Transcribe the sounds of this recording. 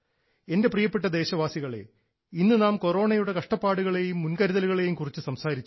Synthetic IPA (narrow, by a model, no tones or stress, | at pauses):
e̞nde̞prijɐpːeʈ̬ːɐd̪e̞ːɕɐʋaːsiɣɐɭe̞̰ | inːɨnaːmko̞ro̞ːɳɐjuɽe̞kɐʂʈɐpːaːɽuɣɐɭe̞jumːunkɐɾiðɐluɣɐɭe̞jumkurit͡ɕːɨsɐmsaːɾit͡ɕː